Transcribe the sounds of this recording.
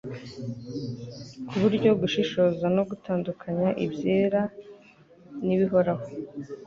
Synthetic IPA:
kʰuβuɾɟo̞ɡuʃiʃo̞zano̞ɡutaːndukʰaɲaʔibje̞ːɾa | niβiɦo̞ɾaho

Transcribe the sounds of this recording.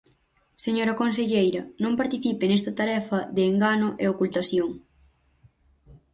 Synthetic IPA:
seɲoɾɐkons̬eʎejɾɐnõmpaɾt̪iθipɪnest̪ɐt̪aɾɛfɐðeːŋɡanoʔeokult̪aθjoŋ

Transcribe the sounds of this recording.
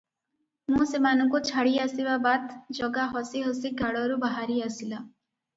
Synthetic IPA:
mũsemanɔŋkut͡ʃʰaɽiasibabad̪d͡ʒɔɡaɦɔsiɦɔsiɡaɭɔɾubaɦaɾiasila

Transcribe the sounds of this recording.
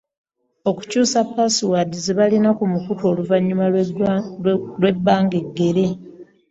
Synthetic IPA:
o̞ku̥cuːsapːasiwadizeβalinakumukuto̞ːluvaɲːuma | lwe̞bːaːŋɡe̞ɡːe̞ɾe̞

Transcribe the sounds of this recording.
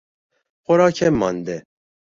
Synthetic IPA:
xʷɔɾɑːkʰɛmːɑ̰nd̪ɛ

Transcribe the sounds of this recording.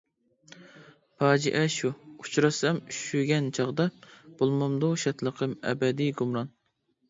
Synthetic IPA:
pʰɑːd͡ʒiʔɛʃuut͡ʃɾɑsɑmyʃʃyɡʲɛnt͡ʃʰɑʁd̪ɑb̥olˠmɑmd̪uʃɑt̪ʰlˠəqʰəmɛ̰bɛd̪iɡumɾɑn

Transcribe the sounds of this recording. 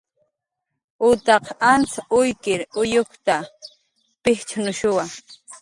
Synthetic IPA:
ʊt̪ɑqant͡saʊjkɪɾʊjoχt̪a | pɪht͡ʃanʊʃʊwa

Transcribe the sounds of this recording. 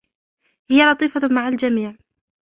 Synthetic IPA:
hɪjalɑt̪ˤiːfamaʕald͡ʒamiːʕ

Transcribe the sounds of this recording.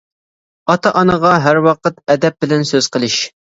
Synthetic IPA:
ɑt̪ɑʔɑnəʁɑɦæɾwɑqət̪ɛd̪ɛp̚bɪlɛnsøz̥qʰəlˠɨʃ

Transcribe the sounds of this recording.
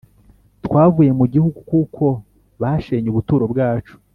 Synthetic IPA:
tkwaːvuje̞muɟihuɡukukʰo̞ | βaʃeɲuβutuːɾo̞bɡaːt͡ʃu̥

